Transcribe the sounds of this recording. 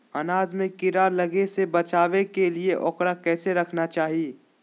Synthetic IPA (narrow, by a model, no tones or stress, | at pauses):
ɐnaːzmẽkɪɾalɐɡesebɐt͡ʃaːʋekelieʔɔːkɾakɛːseɾɐkʰnat͡ʃaːɦieː